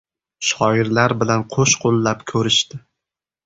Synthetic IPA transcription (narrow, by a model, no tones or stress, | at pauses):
ʃɒɪɾlaɾbɪlanqʰoʃqʰolˠːapkʲʰɵɾɪʃt̪ɪ